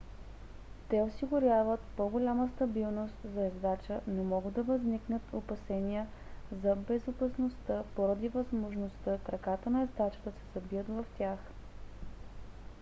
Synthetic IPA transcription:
t̪ɛosiɡʊɾʲjavət̪pɔɡolʲaməst̪ɐbilˠnost̪zɐɛzd̪at͡ʃənɛmɔɡəd̪ɐvɐzniknət̪ʰopɐsɛniə | zɐbɛzopɐsnost̪əpoɾəd̪ivɐzmoʒnost̪əkɾɐkat̪ənɐɛzd̪at͡ʃə̥d̪ɐsɛ̥sɐbiət̪vɐft̪ʲjax

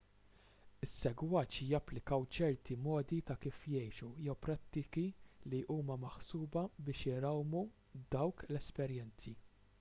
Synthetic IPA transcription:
ɪsːɛɡwɐːt͡ʃijɐpːlɪkɐwt͡ʃɛɾt̪imɔːd̪it̪ɐkiːfjɛjʃujɛwpɾɐt̪ːɪkiliʔuːmɐmɐħsuːbɐbɪːʃɪɾɐwmu | d̪ɐwklɛspɛɾjɛnt͡si

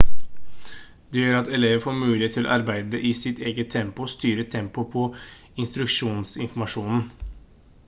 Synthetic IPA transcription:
d̪ɛːjøːɾɑt̪ɛleːʋəfoːɾmʉːlɪheːt̪ʰːɪlɔ̰ʔɑɾbæɪd̪əʔɪsɪt̪ʰeːɡət̪ʰɛmpʊst̪yːɾət̪ʰɛmpʊpʰɔ | ɪnst̪ɾʉkʂuːnsɪ̰nfɔɾmɑʂuːnn̩

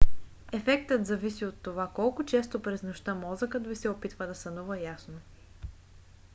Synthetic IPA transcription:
ɛfɛkt̪ət̪zɐvisiot̪ːovakɔlˠkʊt͡ʃɛst̪opɾɛznoʃt̪əmɔzəkəd̪visɛopit̪vəd̪ɐsɐnuvəjasno

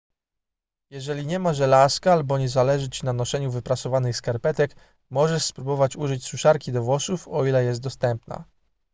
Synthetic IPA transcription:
jɛʐɛlʲiɲɛmaʐɛlaskaalbɔɲɛzalɛʐɘt͡ɕinanɔʂɛɲuvɘpɾasɔvanɘxskaɾpɛt̪ɛk | mɔʐɛʂspɾubɔvat͡ɕuʐɘt͡ɕsuʂaɾkʲid̪ɔvwɔsufɔilɛjɛst̪̚d̪ɔst̪ɛmpna̰

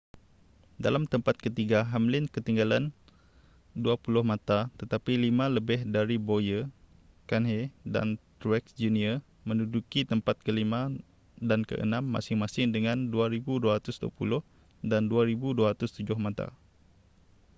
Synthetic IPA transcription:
da̰lamt̪əmpat̪̚kət̪iɡaɦamlɪnkət̪iŋɡalan | duapulʊhmãt̪at̪ət̪apilimãləbɪhdaɾibojə | kanɦeda̰nt̪ɾuɛksd͡ʒuniə | mə̃nudukit̪əmpat̪̚kəlimã | dankə̰ʔə̰nãmːa̰sɪŋmasɪŋdəŋãnduaɾibuduaɾat̪ʊsdua̰pṵlʊh | danduaɾibuduaɾat̪ʊst̪ud͡ʒʊhmãt̪a̰

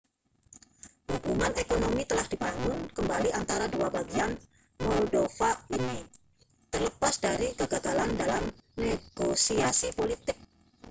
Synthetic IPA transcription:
hubumanekonomit̪əlahdibaŋɡʊnkəmbaliʔant̪aɾaduabaɡian | mɔlodofaini | t̪ərləpasdaɾikəɡaɡalandalamneɡ̥osiasipolit̪ɪk̚

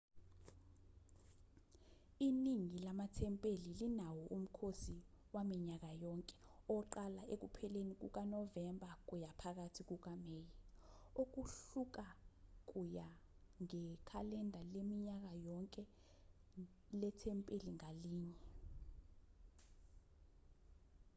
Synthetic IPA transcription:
iniŋilamatʰɛmpʼelilinawɔʔum̩kʰosiwamiɲak̬ajɔŋkʼɛ̥ɔǃalaʔek̬upʰɛlenik̬ṵk̬anɔvɛmbʱak̬ujapʰak̬atʰik̬uk̬ameːji | ok̬uɬuk̬ak̬ʼuja | ŋɛkʰalɛndʱalemiɲak̬ajɔŋkʼɛ | lɛtʰɛmpʼeliŋaliːɲɛ

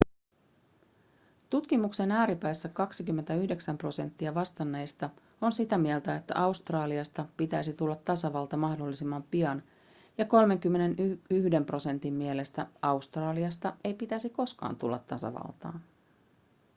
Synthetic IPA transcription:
t̪ut̪kimukse̞næːɾipæjsːækɑksikymːent̪æyhde̞ksæmpro̞se̞nt̪ːiɑʋɑst̪ɑnːe̞jst̪ɑ | o̞nsit̪æmielt̪æe̞t̪ːæ̰ʔɑust̪rɑːliɑst̪ɑpit̪æjsit̪ulːɑt̪ːɑsɑʋɑlt̪ɑmɑhdo̞lːisimːɑmpiɑn | jɑko̞lme̞ŋk̟ymːe̞ne̞nyyhde̞mpro̞se̞nt̪imːie̞le̞st̪æɑust̪rɑːliɑst̪ɑe̞jpit̪æsiko̞skɑ̰ːnt̪ulːɑ̰t̪ːɑsɑ̰ʋɑ̰lt̪ɑ̰ːn

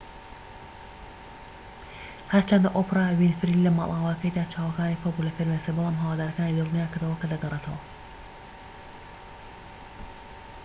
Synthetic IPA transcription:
hɐɾt͡ʃʰɐnd̪ɐʔoprawinfɨɾilɐma̰lʔaːwaːkɐjd̪aːt͡ʃʰaːwɐkaːnipʰobulɐfeɾmesebɨlˠaːmɦɐwaːd̪aːɾɐkaːnid̪ɨlˠnijaːkɨɾd̪ɐwɐkɐd̪ɐɡɐrˤet̪ʰɐwɐ

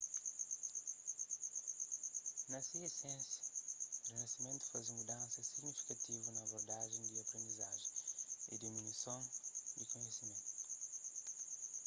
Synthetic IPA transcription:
nɐsiesẽsjɐrenɐsimẽnt̪u̥fazũmud̪ɐ̃nsɐsiɡnifi̥kɐt̪ivunɐːboɾd̪aʒẽj̃d̪iɐpɾẽnd̪izaʒẽj̃ḭd̪iminwisõw̃ikõɲesimẽnt̪u̥u̥

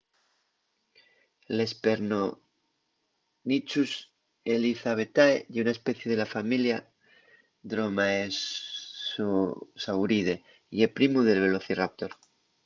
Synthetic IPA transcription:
le̞speɾno | nit͡ʃus | eliθaβe̞t̪aeʝeunaespeθje̞ðe̞lafamilja | d̪ɾomaes | osawɾiðe̞ | iepɾimuðe̞lβ̞e̞loθirap̚t̪oɾ

